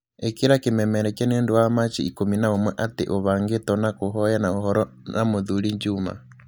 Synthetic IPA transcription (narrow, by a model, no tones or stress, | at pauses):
ekeɾakemɛmɛɾɛkjaneːndowamat͡ʃiikominaomwɛʔatḛʔoβaːŋɡetɔnakoɦɔjanaoɦɔɾɔ | namoðuɾiɲd͡ʒuma̰